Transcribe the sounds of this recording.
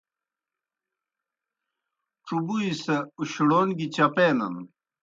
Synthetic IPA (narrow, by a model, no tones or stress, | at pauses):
ʈ͡ʂubuisɐuɕɽoːnɡit͡ɕɐpeːnɐ̰n